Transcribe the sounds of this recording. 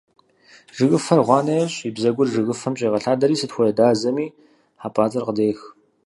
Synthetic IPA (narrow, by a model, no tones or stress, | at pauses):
ʐ̥ɨɣɨfɐrʁʷɑːnɐjɐɕibzɐɡʷʊrʒɨɣɨfɐmɕʼeːʁɐɬaːdɐɾiːsɨtxʷɔjɐdaːzɐmiː | ħaːpʼaːt͡sʼɐrqədeːx